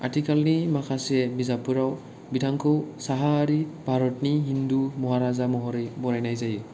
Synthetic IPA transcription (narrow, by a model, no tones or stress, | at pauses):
a̰tʰikalnimakʰasɛbizapuɹaw | bidʰaŋkʰɔwsaɦaːɹibʱaɹɔtniɦindumɔɦaɾazamɔɦɔɾɛbɔɹajnajzajɯ